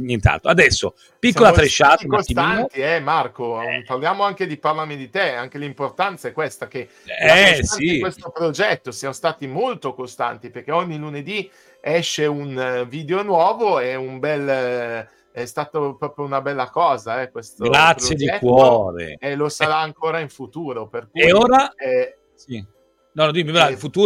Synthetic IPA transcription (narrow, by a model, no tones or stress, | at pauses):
ɲint̪a̰nt̪oad̪ɛsːo | pisːolat̪ɾeʃːat̪kosimt̪iant̪iɛmarkoparljaːmoaŋk̟ed̪iparlaɾmid̪it̪eaŋk̟elimport̪ant̪saɛkwest̪ak̟e | ɛsaiwest̪opɾod͡ʒɛt̪ːosjamost̪aːt̪imolt̪okost̪a̰nt̪iperk̟eoɲːiluned̪i | ɛʃːeunviːd̪eonwɔːvoɛumbɛlː | ɛst̪aːt̪opɾɔːpɾjounabɛlːakɔːzaɛkwest̪oɡɾat̪psɾoːjed̪iɛkwɔːɾḛelosaɾaːŋkoːɾaiɱfut̪uːɾoperkueoːɾaɛ | si | nɔod̪imivafut̪uː